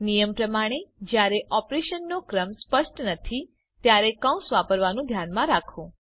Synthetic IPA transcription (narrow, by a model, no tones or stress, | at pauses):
nijəmpɾəmaɽ̃ed͡ʒjaɾeʔɔpɾeʃənːokɾəmspəʃʈnət̪ʰi | t̪jaɾekə̃w̃sʋapəɾʋanũd̪ʱjanmãɾakʰũ